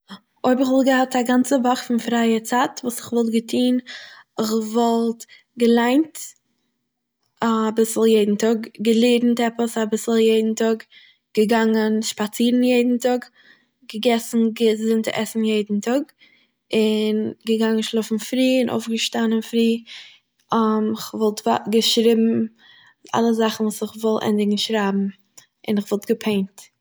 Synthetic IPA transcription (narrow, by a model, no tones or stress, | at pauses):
oɪbɪχvɪlˠɡəhataɡant͡səvaχfɪnfɾaɪət͡saːtvuːsɪχvɔlˠtɡətʰiːnɪχvɔlˠt | ɡəlˠaɪnt | abɪsl̩ˠjeɪdn̩tɔɡɡəlˠeːɾn̩tɛpəsabɪsl̩ˠjeɪdn̩tɔɡ | ɡ̥əɡaŋənʃpat͡siːɾn̩jeɪdn̩tɔɡ | ɡəɡɛsn̩ɡəzɪntɪʔɛsn̩jeɪdn̩tʰɔɡ | ɪnɡəɡaŋənʃlˠɔfn̩fɾiːɪnʔo̰ʊfɡəʃtanənfɾiː | amɪχvɔlˠtva̰ɡəʃɾɪbm̩ | a̰lˠəszaχn̩vuːsɪχvɔlˠʔɛ̰ndɪɡŋ̩ʃɾabm̩ | ɪ̰nɪχvɔlˠtɡ̥əpʰeɪnt